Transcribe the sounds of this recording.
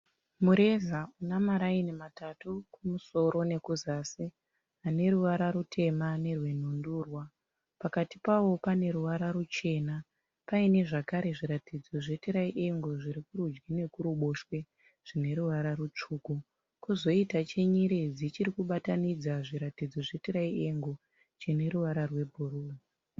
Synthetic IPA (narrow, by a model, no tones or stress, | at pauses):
muɾe̞zaunamaɾainimatatukumuso̞ɾo̞ne̞kuzaːsi | ane̞ɾuʋaɾaɾutʰe̞mane̞rwe̞n̤unduːrwa | pakatipawo̞pane̞ɾuʋaɾarut͡ʃe̞ːna | paine̞ʐakaɾe̞ʐiɾatid͡zo̞ʐe̞tiɾaiʔe̞ŋɡoʐiɾikuɾud͡ʒɡine̞kuɾuɓo̞ʃwe̞ | ʐ̥ine̞ɾuʋaɾarut͡ʂuːku | kuzo̞itat͡ʃe̞ɲiɾed͡zit͡ʃiɾikuɓatanid͡zaʐiɾatid͡zo̞ʐetiɾaiʔe̞ŋɡo | t͡ʃine̞ɾuʋaɾarwe̞bʱuɾuːru